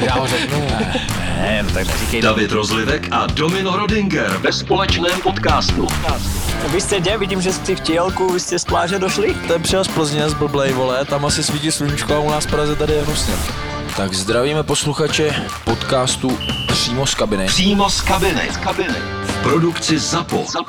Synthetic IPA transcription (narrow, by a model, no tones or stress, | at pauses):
jaːzɛknunɛɛɛt̪a̰ɡʒɛ̰ikɛjdavɪt̪ɾozlɪvɛkʔa̰domɪnoɾodɪŋɡɛɾvɛspolɛt͡ʃnɛːmpot̪kaːst̪ut̪kaːst̪uvɪst̪ɛɟɛvɪɟiːmʒɛssɪfcɪɛlkuvɪst̪ɛsplaːrɛdoʃlɪt̪ɛmpr̥ɪjɛspl̩zɲɛɛzbl̩blɛjvo̞lɛt̪amasɪsviːcɪsluɲit͡ʃkoaunaːsfpɾazɛt̪adɪjɛɦosɲɛ | t̪aɡzd̪ɾaviːmɛpo̞sluxat͡ʃɛ | po̞t̪kaːst̪upr̥iːmo̞skabɪnɪr̥iːmoskabɪnɪ̰kabɪnɪ̰ | fpɾodukt͡sɪzapo̰